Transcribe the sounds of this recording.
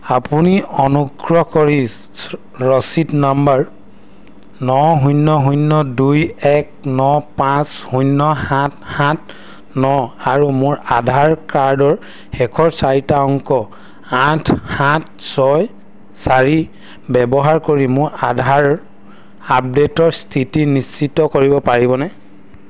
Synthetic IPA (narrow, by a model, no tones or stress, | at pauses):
apuniɔnuɡɹɔkɔɹi | ɹɔsitnambaɹ | nɔɦujnːɔɦujnːɔdujɛk̚nɔpãshujnːɔhãthãt̚ʰ | nɔaɹumʊɹadʱaɹkaɹdɔɹ | hɛkʰɔɹsaɹitaɔŋkɔ | atʰhãt̚ʰsɔj | saɹi | bɛbɔɦaɹkoɹimʊɹadʱaɹ | ap̚detɔɹstʰitinist͡ʃitːɔkoɹibɔpaɹibɔnɛ